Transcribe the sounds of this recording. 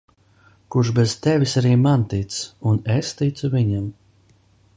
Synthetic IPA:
kuʃbɛzt̪ɛvʲisaɾiːmant̪it̪sunest̪it̪suviɲam

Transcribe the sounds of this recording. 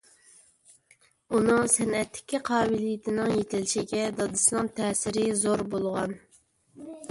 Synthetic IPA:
unɨŋsɛnɛt̪ʰːɪ̥kʲʰiqʰɑːbɪlijɪt̪ʰɪnɪŋjet̪ʰɪlʃiɡʲɛd̪ɑd̪ɨslˠɑŋt̪ʰɛːsɪɾɪzoɾbolˠʁɑn

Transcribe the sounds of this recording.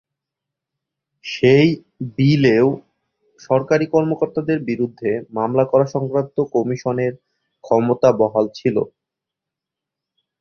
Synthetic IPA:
ʃej | bileo | ʃɔɾkaɾikɔɾmokoɾt̪ad̪eɾbiɾud̪ʱːemamlakɔɾaʃɔŋkɾant̪okɔmiʃoneɾ | kʰɔmot̪abɔɦalt͡ɕʰilo̰

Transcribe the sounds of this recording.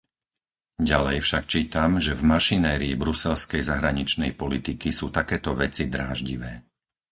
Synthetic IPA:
ɟalɛjfʃak̚t͡ʃiːt̪amʒɛvmaʃinɛːɾiːbɾusɛlskɛjzaɦɾaɲit͡ʃnɛ̰jpɔlit̪ikisuːt̪akɛːt̪ɔʋɛt͡sid̪ɾaːʒɟiʋɛː

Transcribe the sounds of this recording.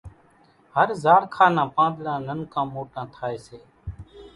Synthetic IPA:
ɦəɾzaːɽkʰaːnãːpãːd̪lãːnənkãːmoːʈãːt̪ʰaːeːseː

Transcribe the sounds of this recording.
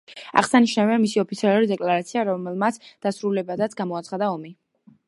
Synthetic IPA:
a̰ʁsaniʃnavianmisiɔpʰit̪sʰialˠuɾid̪ɛkʼlˠaɾat̪sʰiaɾɔmɛlˠmat̪sd̪̥asɾulɛbad̪at̪sʰɡamɔat̪sχad̪aɔmi

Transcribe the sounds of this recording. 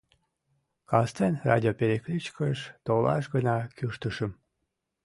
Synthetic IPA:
kɑst̪enrɑ̰d̪ʲiopeɾʲeklʲyt͡ɕkəʃt̪olɑ̰ʃɡənɑkyʃt̪əʃəm

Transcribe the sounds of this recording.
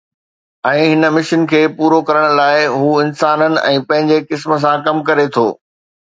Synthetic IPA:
ɛ̃ːɦɪnə̆mɪʃənkʰeːpuːɾokɐɾəɽ̃̆laːɪɦuːɪnsaːnənɪ̆ʔɛ̃ːpɐ̃ɦɪ̃ɲd͡ʑekɪsmə̆s̬ãkɐmkɐɾet̪ʰoː

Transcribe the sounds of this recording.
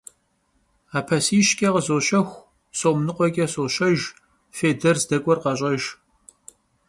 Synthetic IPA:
aːpʰɐsiːʃkʲʼɐʁəzoːʃɐxʷ | soːmnɨqʷʼɔkʲʼɐsoːʃɐʒ | feːdɐrzdɐkʷʼɔrqɐɕʼɐʒ

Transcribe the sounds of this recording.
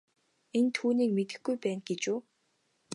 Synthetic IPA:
ent̪ʰuːniːk̚met̪ɘ̆xɡujpæːnɡet͡ɕuː

